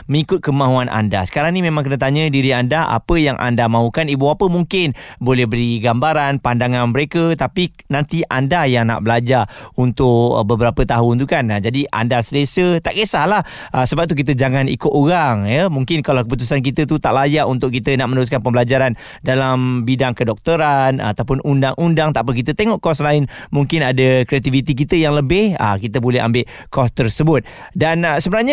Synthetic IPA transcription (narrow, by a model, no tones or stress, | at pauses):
məŋikʊt̪̚kəmãɦuanʔa̰nda̰sə̥kaɾaŋnimemãŋkənət̪̬aɲə̃diɾiandaʔa̰pəjaŋʔa̰ndamãɦukanibuapəmuŋkɪnbolɛhbəɾiɡambaɾanpandaŋanməɾekət̪api | nãnt̪iʔandajaŋna̰ʔbəlad͡ʒarunt̪ʊʔ̚bəbəɾapət̪aɦʊnt̪ukand͡ʒadia̰ndasələsət̪aʔkəsahlah | ʔəsəbap̚t̪uk̬it̪̬əd͡ʒaŋanḭkʊt̪oɾaŋjəmuŋkɪnkalawkəp̬ut̪usank̬it̪ət̪ut̪aʔlajaʔunt̪ʊʔ̚kit̪ənaʔmənəɾus̬kanpəmbəlad͡ʒaɾan | dalambidaŋkədɔk̚t̪əɾan̰t̪awp̬ʊnundaŋʔundaŋt̪aʔpənk̬it̪ət̪eŋɔʔkɔslaɪnmuŋkɪnadəkɾeat̪ivit̪ik̬it̪əjaŋləbɪhə̰kit̪əbolɛɦa̰mbɪʔ | kɔst̪ərsəbʊt̪̚dansəbənaɲa